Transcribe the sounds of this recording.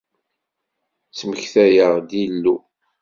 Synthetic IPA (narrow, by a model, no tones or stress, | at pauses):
t͡sməçθæjəʁd̪ilːu